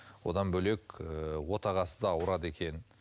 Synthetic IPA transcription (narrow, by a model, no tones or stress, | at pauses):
wo̞̰d̪ɑnbɵle̞kwo̞t̪ɑʁɑsə̥d̪ɑɑwɾɑd̪e̞kʲʰe̞n